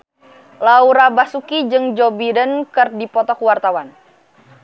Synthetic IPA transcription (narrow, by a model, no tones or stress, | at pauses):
lauɾabasukid͡ʒɨŋd͡ʒɔbidənkɨrdipɔt̪ɔkuwart̪awan